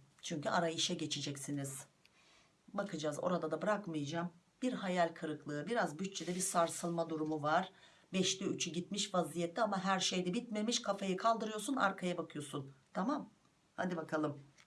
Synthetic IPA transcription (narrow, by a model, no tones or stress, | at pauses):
t͡ʃʰyɲcyaɾajɯʃɛɟet͡ʃʰid͡ʒɛcsiniz̥ | bakʰɯd͡ʒaːzo̞̰ɾad̪ad̪abɯɾakmɯjd͡ʒaːm | biɾɦajalʲkʰɯɾɯklˠɯːbiɾazbyt͡ʃt͡ʃʰɛd̪ɛbiɾsaɾsɯlˠmad̪uɾumuvaɾ̥ | bɛʃlʲɛyt͡ʃʰyɟit̪miʃvazijɛt̪ʰːiamaɦæɾʃejd̪ɛbit̪me̞miʃkʰafajikʰalˠd̪ɯɾɯjo̞ɾsuna̰ɾkʰajabakʰɯjo̞sunt̪ʰamam | ha̰d̪ibakʰalˠɯm